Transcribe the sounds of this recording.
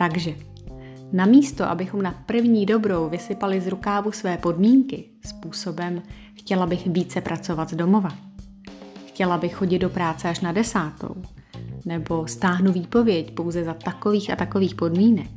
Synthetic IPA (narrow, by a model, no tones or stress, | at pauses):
t̪aɡʒɛ | namiːst̪o̞ʔa̰bɪxo̞mnapr̩vɲiːdo̞bɾo̞wvɪsɪpalɪzɾukaːvusvɛːpo̞dmiːŋkɪ | spuːso̞bɛm | xcɛlabɪxviːt͡sɛpɾʔatt͡so̞vat̪zdo̞mo̞va | xcɛlabɪxxo̞ɟɪd̪̚do̞pɾaːt͡sɛaʃnadɛsaːt̪o̰w | nɛbo̞st̪aːɦnuviːpo̞vjɛcpo̞wzɛzat̪ako̞viːxat̪ako̞viːxpo̞dmiːnɛk̚